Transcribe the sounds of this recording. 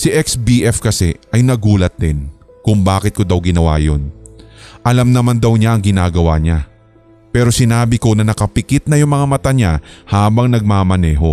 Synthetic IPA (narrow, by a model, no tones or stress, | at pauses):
sɪʔɛksbiːʔɛfkɐsɛʔɐjnɐɡuːlɐt̪̚d̪ɪn | kʊŋbaːkɪt̪̚kod̪ɐwɡɪnɐwa̰ːjon | ʔɐlamnɐmand̪ɐwɲaʔɐŋɡɪnaːɡɐwaɲa | pɛːɾo̞sɪnaːbɪko̞nɐnɐkɐpɪkɪt̪̚nɐjʊŋmɐŋamɐt̪aɲahaːbɐŋnɐɡ̚maːmɐnɛːɦo̞